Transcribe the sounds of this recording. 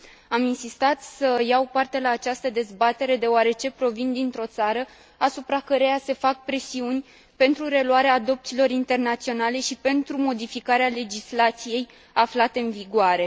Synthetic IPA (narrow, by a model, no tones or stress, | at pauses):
aminsist̪at̪səjawpart̪e̞laːt͡ʃast̪əd̪e̞zbat̪e̞ɾe̞d̪e̞oaɾe̞t͡ʃe̞pɾo̞vind̪int̪ɾo̞t̪saɾə | asupɾakəɾe̞jase̞fak̚pɾe̞siunʲ | pe̞nt̪ɾuɾe̞luaɾeaːd̪o̞p̚t̪silo̞ɾint̪e̞rnat̪sio̞nale̞ʃipe̞nt̪ɾumo̞d̪ifikaɾeale̞d͡ʒislat̪sije̞j | aflat̪e̞ɨnviɡoaɾe̞